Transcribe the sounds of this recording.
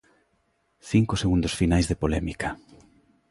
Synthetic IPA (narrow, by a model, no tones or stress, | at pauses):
θiŋkoseɣund̪osfinajzðepolɛmikɐ